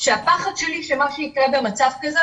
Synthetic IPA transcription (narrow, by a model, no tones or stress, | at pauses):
ʃeapaχad̪ʃeliʃemaʃunikʁebemat͡safkaze